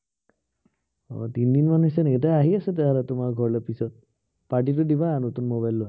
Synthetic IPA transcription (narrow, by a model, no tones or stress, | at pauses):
ɔ̰tindinmanuɦisɛneɡt̬ajaɦiasɛtɛɦaɾatʊmaɹɡʱɔɹlɔpisɔt̚ | paɹʈ̬it̬ʊdibanotunmobajlːʊa